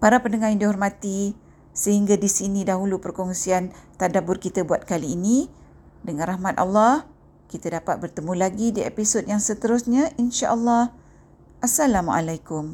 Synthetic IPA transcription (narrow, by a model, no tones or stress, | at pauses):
paɾapəndəŋaindiɦɔrmãt̪i | səhiŋɡadisinĩdaɦulupərkɔŋsiant̪adabʊrkit̪abuat̪̚kaliːni | dəŋãnɾahmãt̪a̰lːɑh | kit̪adapat̪̚bərt̪əmũlaɡidiepisot̚jaŋsət̪əɾʊsɲaʔinʃaʔəlːɑh | ʔasalamua̰lajkʊm